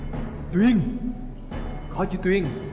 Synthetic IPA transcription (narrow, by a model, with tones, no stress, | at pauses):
t̪wi˧˥ŋ | kɔ˨˧˦t͡ɕi˧˦t̪wi˧˥˨ŋ